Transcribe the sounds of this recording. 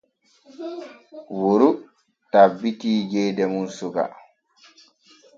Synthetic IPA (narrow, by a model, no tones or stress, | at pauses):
woɾu | tabːitiːd͡ʒɛjdɛmunsuɡa̰